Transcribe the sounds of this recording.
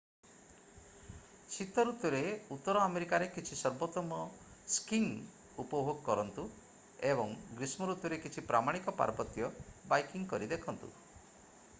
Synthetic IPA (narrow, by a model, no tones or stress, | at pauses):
t͡ʃʰit̪ɔɾut̪jɔɾeut̪ːɔɾɔameɾikaɾekit͡ʃʰisɔɾbot̪ɔmɔ | skiŋ | upɔbʱoɡɔkɔɾɔnt̪u | ebɔŋɡɾismɔɾut̪jɔɾekit͡ʃʰipɾamaɽ̃ikɔpa̰ɾbɔt̪jɔbajkiŋkɔɾid̪ekʰɔnt̪ṵ